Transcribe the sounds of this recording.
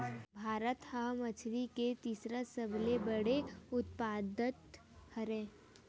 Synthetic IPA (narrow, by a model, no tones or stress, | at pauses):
bʱaːɾət̪hãmɐt͡ʃʰliket̪iːsɾasəblebəɽeʊt̪̚paːd̪ət̪ | həɾẽː